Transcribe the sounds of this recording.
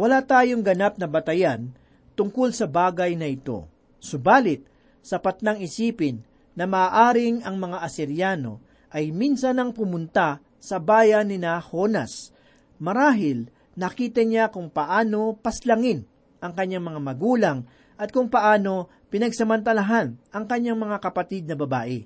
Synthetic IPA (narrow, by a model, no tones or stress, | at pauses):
wɐlat̪aːjoŋɡɐnap̚nɐbɐt̪ɐjan | t̪ʊŋkolsɐbaːɡɐjnɐɪt̪o̞̰ | sʊbaːlɪt̪̚ | sɐpɐt̪naŋɪsiːpɪnː | ɐmaːʔaːɾɪŋɐŋmɐŋaʔɐsɪɾjaːno̞̰ | ʔɐjminsɐnɐŋpʊmʊnt̪a | sɐbaːjɐnːɪnaho̞nas | mɐɾaːɦɪl | nɐkiːt̪ɐɲakʊŋpɐʔaːno̞pɐslɐŋɪn | ʔɐŋkɐɲːaŋmɐŋamɐɡuːlɐŋ | ʔɐt̪̚kʊŋpɐʔaːno̞ | pɪnɐɡsɐmɐnt̪ɐlaɦanʔɐŋkɐɲːaŋmɐŋakɐpɐt̪id̪̚nɐbɐbaːʔɪ̰